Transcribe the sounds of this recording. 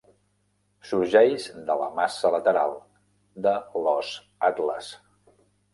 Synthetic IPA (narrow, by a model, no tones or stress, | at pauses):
suɾʒɛjzd̪ələ̰masələt̪əɾa̰lˠ | d̪əlɔz | at̪lə̰s